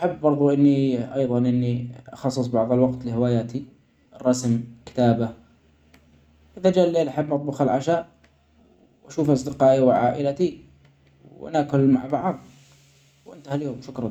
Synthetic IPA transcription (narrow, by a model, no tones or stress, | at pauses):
ʔaħabːɑɾˤðˤuʔɪnːiʔɑjðˤɑnʔɪnːiʔɑxɑsˤːɨs̬ˤbɑʕðˤɑlwɑɡt̪lɪhɪwaːjaːt̪i | rˤːɑsmkɪ̥t̪aːba | ʔɪðad͡ʒaːlːeːlʔaħabːʔɑt̪ˤbʊxalʕaʃaːʔ | w | ʔaʃuːfʔɑsˤd̪ɪqɑːʔiwʕaːʔɪlat̪i | wʔa̰naːkʊlmaʕbɑʕðˤ | wʔɪ̰nt̪ahaljoːmʃʊkɾˤɑ